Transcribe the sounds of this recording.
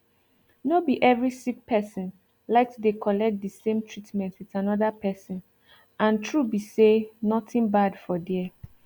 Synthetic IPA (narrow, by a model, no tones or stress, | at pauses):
nobiʔɛvɹisik̚pʰɛsɔ̃n | laɪk̚tdekʰɔlɛk̚t̚dəsẽmtʰɹitmɛ̃ntwiðanɔðapʰɛsɔ̃n | ʔãntʰɹubisenɔtĩnbadfɔd